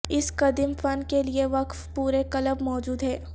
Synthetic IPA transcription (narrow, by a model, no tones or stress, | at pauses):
ɪskɐd̪ɪmfɐnkelieʋɐkfpuːɾekɐləbmɔːd͡ʒuːd̪ɦɛː